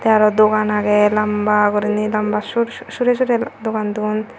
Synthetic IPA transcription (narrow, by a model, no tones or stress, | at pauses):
t̪ɛaɾɔd̪okanaɡɛlambakɔɾinilambaʃuɾʃuɾeʃ̬uɾed̪okand̪uun